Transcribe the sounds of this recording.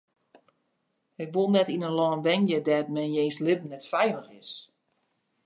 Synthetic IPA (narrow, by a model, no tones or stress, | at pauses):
ɪkʋolˠnɛtinənlɔːnʋɛŋjədɛt̚mɛnjeːnslɪpən̩nɛtfɛjləxɪs